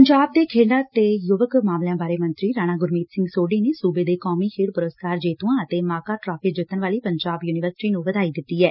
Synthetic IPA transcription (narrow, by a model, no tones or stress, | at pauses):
əɲd͡ʒaːb̚d̪eːkʰeːɖãːt̪eːjʊʋəkmaːmljãːbaːɾeːmə̃nt̪ɾiːɾaːñaːɡʊɾmiːt̪sɪ̃ŋɡsoːɖiːneːsuːbeːd̪eːkɔːmiːkʰeːɽpʊɾəskaːɾd͡ʒeːt̪uːãːət̪eːmaːkaːʈɾaːpʰɪd͡ʒɪt̪ːənʋaːliːpəɲd͡ʒaːbjuːnɪʋəɾsɪ̥ʈiːnũːʋəd̪aːiːd̪ɪt̪ːiːɦɛː